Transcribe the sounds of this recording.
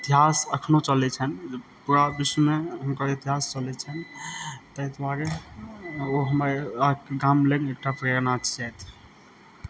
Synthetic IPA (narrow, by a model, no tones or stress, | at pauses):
it̪iɦasəkʰnot͡ʃəlɛt͡ʃʰənd͡ʒpuɾabismeunkəɾit̪iɦast͡ʃəlɛt͡ʃʰənt̪əjt̪ʰbaɾe | oɦəməɾakɡamleɡek̚ʈapɾenat͡ʃt͡ʃɛt̪ʰ